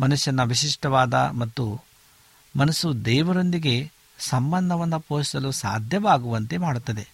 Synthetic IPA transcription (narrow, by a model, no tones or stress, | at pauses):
mɐnuʃjɐnːɐʋiʃiʂʈɐʋaːd̪ɐ̰mɐt̪ːu | mɐnɐsud̪ɛːʋɐɾo̞nd̪iɡe̞ | sɐmbɐnd̪ʱɐʋɐnːɐpoːʃi̥sɐlusa̰ːd̪ʱjɐʋaːɡuʋɐnt̪e̞maːɽut̪ːɐd̪e̞